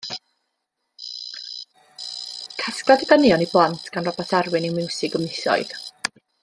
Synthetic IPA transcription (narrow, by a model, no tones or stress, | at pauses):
kʰaskladəɡənjɔniblˠantʰɡ̥anrɔbɔtʰarwɨniwmɪwsɪɡəmnɪθɔ̰ɨð̥